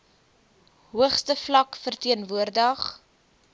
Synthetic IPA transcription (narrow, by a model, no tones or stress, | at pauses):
ɦuəχstəflɐkfərtiənvuərdəχ